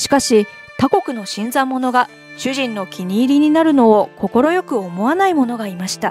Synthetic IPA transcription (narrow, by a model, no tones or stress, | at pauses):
ɕi̥kaɕi | t̪ako̞kɯ̟no̞ɕĩnd͡zamːo̞no̞ɡa | ɕɨʑĩnːo̞kʲiɲ̟iːɾʲiɲ̟inaɾɯ̟no̞ːko̞ko̞ɾo̞jo̞kɯ̟o̞mo̞anaimo̞no̞ɡaimaɕi̥t̪a